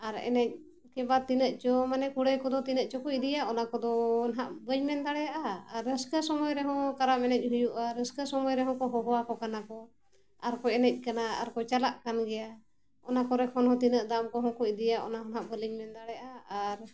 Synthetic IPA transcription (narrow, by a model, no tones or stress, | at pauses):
aɾɛ̰nɛc̚ | kɛbat̪inəʔt͡ʃɔmanɛkuɽɛkɔd̪ɔt̪inəʔt͡ʃɔkɔid̪ijaʔʔɔnakɔd̪ɔnɦaʔbəɲmɛnd̪aɽɛjaʔaːɾːəskəsɔmɔjɾɛɦɔ̃kaɾaʔmɛnɛc̚ˀɦujuʔaɾəskəsɔmɔjɾɛɦɔ̃kɔɦɔɦɔwakɔkanakɔ | aɾkɔɛnɛc̚ˀkanaa̰ɾkɔt͡ʃalaʔkanɡɛja | ɔnakɔɾɛkʰɔnhɔ̃t̪inəʔd̪amkɔɦɔ̃kɔid̪ijaʔɔ̰naɦɔnɦaʔbəliɲmɛnd̪aɽɛjaʔaaɾ